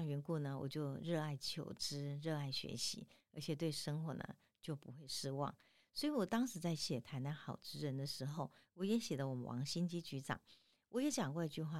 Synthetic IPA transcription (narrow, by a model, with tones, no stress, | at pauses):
ŋɥɛ˧˥nku˥˩nə˨wɔ̰˨˩t͡ɕjo˥˧ʊɻɤ˥˧a˥˩ɪt͡ɕʰjo˨˩ʊʈ͡ʂɻ̩˥ɻɤ˥˧a˥˩ɪɕɥɛ̰˧˥ɕḭ˧˥ə̰˞˧˥t͡ɕʰjɛ˨˩t̪we˥˩ɪʂɤ˥ŋxwɔ̰˧˥nə̰˧ | t͡ɕjo˥˩ʊpu˧˥xwe˥˩ɪʂɻ̩˥˧wɑ̰˥˩ŋ | swɔ˧˥i˧˥wɔ˨˩t̪ɑ˥ŋʂɻ̩˧˥t͡sa˥˩ɪɕjɛ˨˩t̪ʰa˧˥ɪna˥nxɑ˨˩ʊʈ͡ʂɻ̩˥ɻə˧˥nd̪ə˧ʂɻ̩˧˥xo˥˧ʊwɔ˧˥jɛ˧˥ɕjɛ˨˩lə˦wɔ˨˩mə˦wɑ̰˧˥ŋɕi˥nt͡ɕi˥t͡ɕy˧˥ʈ͡ʂɑ̰˨˩˦ŋ | wʔɔ˧˥jɛ˧˥t͡ɕjɑ˨˩ŋkwɔ˥˧i˧˥t͡ɕy˥˧xwa˥˩